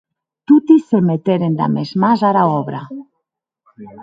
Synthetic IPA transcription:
t̪ut̪isemet̪eɾend̪a̰mezmazaɾaɔβɾa̰

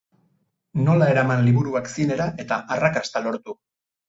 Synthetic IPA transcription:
no̞lae̞ɾamanliβuɾuaksine̞ɾaʔe̞t̪aʔarakast̪alo̞ɾt̪u

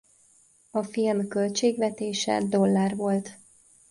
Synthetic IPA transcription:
ɒfilmkø̞lt͡ʃeːɡʋɛt̪eːʃɛ̰d̪o̞lːaːrvo̞lt̪

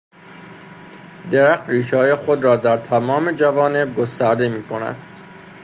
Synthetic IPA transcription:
d̪eɾæxt̪riːʃɒːjexod̪rɒːd̪æɾt̪ʰæmɒːme̞d͡ʒævɒːne̞b̚ɡost̪æɾd̪e̞miːkʰonæ̰d̪̥

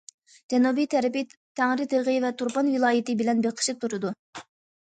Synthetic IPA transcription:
d͡ʒɛnubijt̪ʰɛɾɪpɪt̪ʰæŋɾɪd̪eɾʁɨvɛt̪ʰuɾpɑnvɪlˠɑːjɪt̪ɨbɪlɛnbɪɾqʰə̥ʃɨp̚t̪ʰuɾɨd̪u

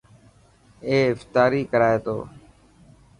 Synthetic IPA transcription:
eːɪft̪aːɾiːkəɾaːeːt̪o̰ː

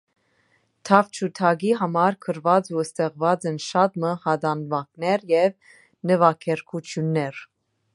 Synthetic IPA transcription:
t̪ʰɑvt͡ʃʰut̪ʰɑɡiɦɑmɑɾkʰəɾvɑd͡zuəst̪ɛʁvɑd͡zɛnʃɑt̪məhɑd̪ɑnvɑknɛɾjɛv | nəvɑkʰɛɾkʰut͡sʰjunːɛɾ

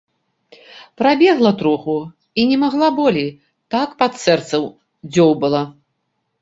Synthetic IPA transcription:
pɾabʲɛɣlˠɐt̪ɾɔxu | inʲɛmaɣlˠabɔlʲij | t̪akpat̪sɛrt̪sɐw | d͡zʲɔwbɨlˠa

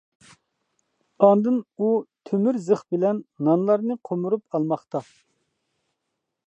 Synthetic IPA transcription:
ɑnd̪ɨnut̪ʰømyɾzəχbɪlɛnːɑnlˠɑɾnɨqʰomuɾupɑlˠmɑχt̪ɑ

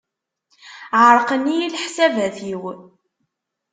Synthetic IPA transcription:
ʕəɾˤqənijilħsævæθjiw

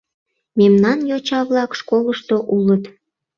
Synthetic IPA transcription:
memnɑnjot͡ɕɑβlɑkʃkoləʃt̪oʔulət̪

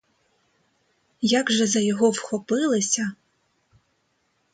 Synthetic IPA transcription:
jaɡʒɛzɐjɔɦɔwxɔpɪlˠɪsʲɐ

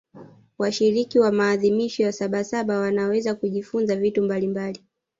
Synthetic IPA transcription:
waʃiɾikiwamaːðimiʃɔjasaɓasaɓawanawɛzakuʄifunzavitumbalimbali

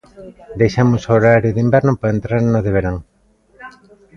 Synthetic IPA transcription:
d̪ejʃamʊsoɾaɾjʊðimbɛɾnʊpaɾent̪ɾaɾnʊðeβ̞eɾaŋ

